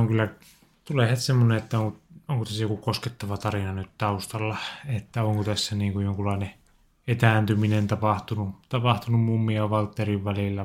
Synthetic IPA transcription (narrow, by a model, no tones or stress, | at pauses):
oŋkylːæ | t̪uleˑhet̪semːoneet̪ːæoŋkooŋkot̪æsːæjokukosket̪ːɑʋɑt̪ɑrinɑnyt̪t̪ɑust̪ɑlːɑet̪ːæoŋkot̪æsːæniːŋkujjoŋkulɑˑine | et̪æːnt̪yminent̪ɑpɑht̪unut̪ɑpɑht̪unummumːiɑʋɑlt̪ːeriʋʋælilːæ